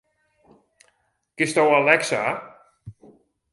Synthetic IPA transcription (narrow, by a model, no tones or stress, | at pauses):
kist̪awalɛksa